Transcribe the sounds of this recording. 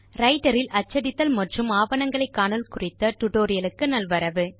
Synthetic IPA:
ɾɐɪʈɐɾɪlʔɐt͡ʃːɐɽɪt̪ːɐlmɐʈrɯmaːʋɐnɐŋɡɐɭɐɪkːaːnɐlkʊrɪt̪ːɐʈʊʈoːɾɪjɐlɯkːɯnɐlʋɐɾɐʋɯ

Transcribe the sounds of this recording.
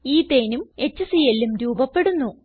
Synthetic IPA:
iːt̪eːnume̞t͡ɕːɐsijelːumɾuːbɐpːe̞ɽunːu

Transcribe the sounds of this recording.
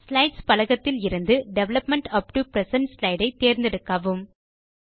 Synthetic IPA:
slɐɪɖspɐlɐɣɐt̪ːɪlɪɾɯnd̪ɯɖɛʋlɐpmɛɳʈɐp̚ʈupɾɛsɐnʈslɐɪɖɐɪt̪ːeːɾnd̪ɪɽɯkːɐʋɯm

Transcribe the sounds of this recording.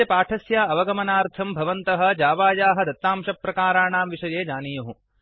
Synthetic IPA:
ɐpaːʈʰɐsjaːɐʋɐɡɐmɐnaːɾt̪ʰɐmbʱɐʋɐnt̪ɐɦɐ̆d͡ʒaːʋaːjaːɦɐ̆d̪ɐt̪ːaːmʃɐpɾɐkaːɾaːɳaːmʋiʂɐjeːd͡ʒaːnijɐɦu

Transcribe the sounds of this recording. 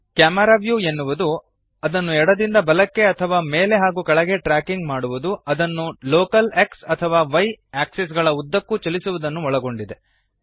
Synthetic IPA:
kjaːmɐɾaːʋjue̞nːuʋud̪u | ɐd̪ɐnːuɛɽɐd̪ind̪ɐbɐlɐkːe̞ɐt̪ʰɐʋaːme̞ːle̞ɦaːɡukɐɭɐɡe̞ʈɾaːkiŋɡmaːɽuʋud̪uɐd̪ɐnːuloːkɐleksɐt̪ʰɐʋaːʋɐjaːksis̬ɡɐɭɐud̪ːɐkːut͡ʃɐlisuʋud̪ɐnːuɔɭɐɡo̞ɳɖid̪e̞

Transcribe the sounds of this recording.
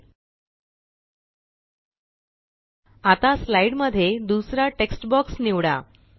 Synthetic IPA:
at̪aslaiɽməd̪ʱːjed̪usɾaʈeksʈbɔksniʋɽa̰

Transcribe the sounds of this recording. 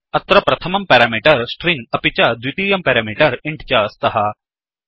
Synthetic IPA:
ɐt̪ɾɐpɾɐt̪ʰɐmɐmpeːɾaːmiːʈɐɾsʈɾĩŋɡɐpit͡ʃad̪wit̪iːjɐmpɛːɾaːmiʈɐɾɪɳʈt͡ʃast̪ɐɦɐ

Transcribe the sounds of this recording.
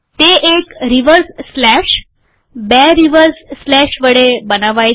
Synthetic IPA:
t̪eʔekɾiʋəɾsːlæʂ | bɛɾiʋəɾsːlæɕʋəɽebənaʋaj

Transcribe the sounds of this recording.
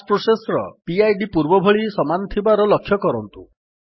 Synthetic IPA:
spɾusesɾɔ̰piajɖipuɾbɔbʱɔɭisɔmant̪ʰibaɾɔlɔkʰːjɔkɔɾɔnt̪u

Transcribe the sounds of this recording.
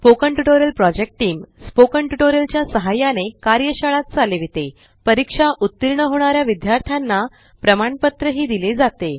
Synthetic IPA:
pokəɳʈuʈoɾjəlpɾɔd͡ʑek̚ʈʈiːmspokəɳʈuʈoɾjəlt͡ɕjasəɦajanekaɾjəɕaɭat̪̚t͡saleʋit̪e | pəɾikʂaʔut̪ːiɾɳəɦoɽ̃aɾjaʋid̪jaɾt̪ʰjanːa | pɾəmaɳpət̪ɾəɦiːd̪iled͡zat̪e

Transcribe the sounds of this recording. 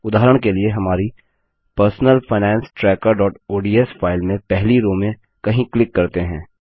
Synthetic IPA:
ʊd̪aːɦəɾəɽ̃kelieɦɐmaːɾi | pəɾsnəlfʰaɪnɛ̃ːnsʈɾɛːkəɾɖɔːʈoːɖiːɛsfʰaːɪlmẽpɛɦliɾoːmẽ | kɐɦĩklɪkːɐɾt̪eɦɛ̃ː

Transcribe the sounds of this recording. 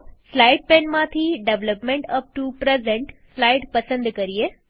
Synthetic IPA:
slajɖ̚penmat̪ʰiːɖeʋləpmẽɳʈəp̚ʈupɾezẽɳʈslajɖpəsə̃nd̪kəɾie

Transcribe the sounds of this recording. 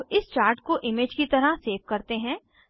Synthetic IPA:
ɪst͡ʃaːɾʈkoʔɪmeːd͡ʒkit̪ɐɾəseːfkɐɾt̪eɦɛ̃ː

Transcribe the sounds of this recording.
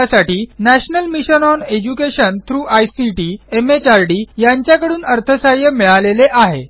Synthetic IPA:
asaʈiːnæɕnəlmiɕənɔned͡ʑukeɕənt̪ʰɾuːʔajsiʈiːemet͡ɕaɾɖiːjaɲt͡ɕjakəɽuːnəɾt̪ʰəsajəmiɭaleleʔaɦḛ

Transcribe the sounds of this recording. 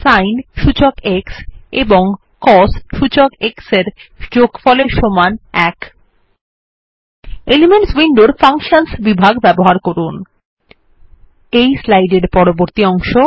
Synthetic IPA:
sajnʃut͡ɕokekseboŋ | kɔsʃut͡ɕokekseɾd͡ʑoɡfɔleɾʃomanɛk | elimeɳʈswiɳɖoɾfaŋʃansbibʱaɡbɛboɦaɾkɔɾun | ejslajɖeɾpɔɾoboɾt̪iɔŋʃo

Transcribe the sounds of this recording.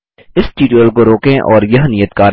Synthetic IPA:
ɪsʈiːʈuəlkoɾoːkẽʔɔːɾjɐɦnijət̪kaːɾ

